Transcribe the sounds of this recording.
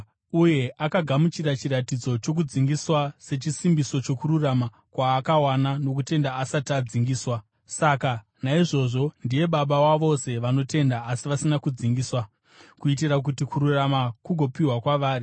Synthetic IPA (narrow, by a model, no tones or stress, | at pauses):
uje̞ʔakaɡʱamut͡ʃiɾat͡ʃiɾatid͡zo̞t͡ʃo̞k̬ud͡ziŋɡiswase̞t͡ʃisimbiso̞t͡ʃo̞kuɾurama | kwaːkawanano̞k̬ute̞ndaːsatad͡ziŋɡiːswa | saka | naiʐo̞ʐo̞ndije̞ɓaɓawaʋo̞se̞ʋano̞te̞ndaːsiʋasinakud͡ziŋɡiːswa | kuit̬irak̬utikuɾuramakuɡʱo̞piɦwakwaʋaːri